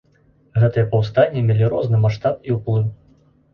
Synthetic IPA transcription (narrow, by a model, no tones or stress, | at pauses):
ɣɛt̪ɨjɛpɐwst̪anʲːimʲɛlʲiɾɔznɨmaʂt̪at̪iwplˠɨw